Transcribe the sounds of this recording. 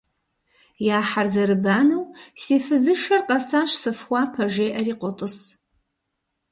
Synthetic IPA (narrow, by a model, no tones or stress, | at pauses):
jaːħarzɐɾɨbaːnɐwseːfɨzɨʃɐrqʼɐsaʃsɨfχʷapʰɐʒeːʔɐriːqʷʼɔtʼɨs